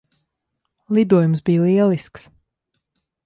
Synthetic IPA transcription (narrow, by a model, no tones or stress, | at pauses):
lid̪uɔjumsbiːjlˠiɛlˠisks